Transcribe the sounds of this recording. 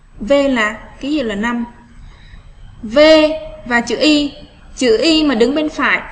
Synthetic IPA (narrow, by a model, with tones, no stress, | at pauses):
ve˧laː˨˩kaː˨˦zḭ˧˨wlaː˨˩na˧m | ve˧vaː˨˩t͡ɕɨ̰˧˨ʔi˧ | t͡ɕɨ̰˧˨ʔi˧maː˨˩ɗɨ˨˦ŋɓe˧nfaː˧˩˨j